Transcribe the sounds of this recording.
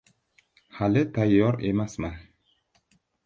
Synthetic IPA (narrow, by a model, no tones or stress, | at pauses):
halɪt̪ʰajːɒɾe̞masman